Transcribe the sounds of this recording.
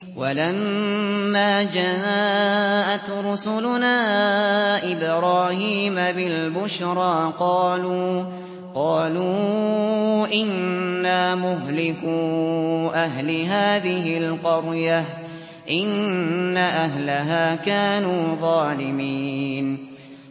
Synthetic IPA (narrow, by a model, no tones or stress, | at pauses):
walamː | aːd͡ʒaː | ʔat̪ɾˤʊsʊlʊnaː | ʔɪbɾɑːhiːmabɪlbʊʃɾˤɑːqɑːluː | qɑːluː | ʔɪnːamʊɦlɪku | ʔaɦlɪɦaːðɪɦɪlqɑɾjah | ʔɪnːaʔaɦlaɦaːkaːnuːðˤɑːlɪmiːn